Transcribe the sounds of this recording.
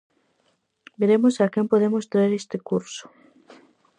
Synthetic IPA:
beɾemosakempoð̞emost̪ɾaeɾest̪ekuɾso̥

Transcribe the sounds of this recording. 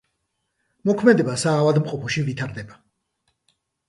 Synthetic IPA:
mɔkʰmɛd̪ɛbasaːvad̪mqʼɔpʰɔʃivit̪ʰaɾd̪ɛba

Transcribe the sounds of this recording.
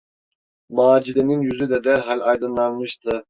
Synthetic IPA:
mɑːd͡ʒid̪ɛninjyzyd̪ɛd̪ɛɾɦɑlʲɑjd̪ɯnlːˠɑnmɯʃt̪ʰɯ

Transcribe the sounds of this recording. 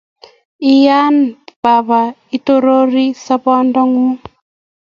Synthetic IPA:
ijanb̥aβait̪oɾoɾisapɔndɔŋu

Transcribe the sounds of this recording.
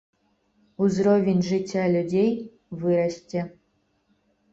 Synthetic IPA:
uzɾovʲɪnʲʐɨtʲːalʲudʲej | vɨɾaɕtʲɘ̆

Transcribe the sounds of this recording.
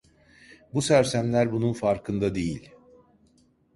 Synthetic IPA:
busæɾsæmlʲæɾbununfaɾkʰɯnd̪ad̪ejilʲ

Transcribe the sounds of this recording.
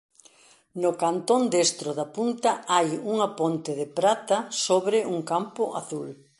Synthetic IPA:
nʊkant̪ond̪est̪ɾʊðɐpunt̪ɐajuŋɐpont̪ɪðɪpɾat̪ɐsoβɾɪʔuŋkampʊʔa̰θul

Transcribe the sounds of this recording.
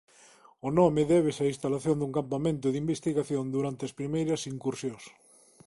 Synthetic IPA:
ʊnɔmeðɛβ̞esɐĩnst̪alaθjond̪uŋkampamẽnt̪ʊðimbest̪iɣaθjond̪uɾant̪eɐspɾimejɾɐsiŋkuɾsjõs

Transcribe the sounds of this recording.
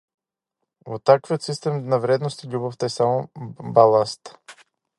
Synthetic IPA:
vot̪ːakvijot̪sist̪ɛmnavɾɛd̪nost̪ilʲuboft̪aɛsamobalˠast̪

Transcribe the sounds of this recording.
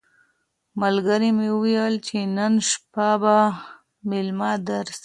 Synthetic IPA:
malɡəɾimewəjəlt͡ʃenənʃpaba | mɪlmɑd̪aɾs

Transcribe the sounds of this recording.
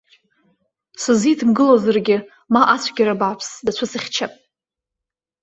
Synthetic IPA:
sɨzitʰɨmɡɨlozarɡʲɪ | maʔat͡sʷʰɡʲaɾabapʰsdat͡ɕʷʰasɨχʲt͡ʃʰapʼ

